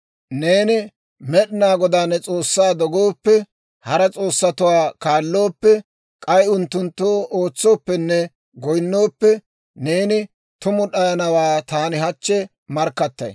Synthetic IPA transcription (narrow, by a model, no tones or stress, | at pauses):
ne̞ːnɪ | mɛɗɪnaːɡɔd̪aːnːɛt͡sʼo̞ːsːaːd̪ɔɡoːpːɛ | hɐɾɐt͡sʼo̞ːsːɐt̪ʊwaːkaːlːo̞ːpːɛ | kʼɐjʊnt̪ːʊnt̪ːoːʔoːt͡sːo̞ːpːɛnːɛ | ɡɔjnːo̞ːpːɛ | neːnɪ | t̪ʊmʊɗɐjɐnɐwaːt̪aːnɪɦɐt͡ʃːɛ | mɐɾkːɐt̪ːɐ̰j